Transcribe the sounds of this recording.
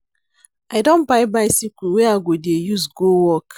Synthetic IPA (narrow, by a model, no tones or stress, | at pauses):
aɪdõnbaɪbaɪsikiwɛaɡodejusɡowɔk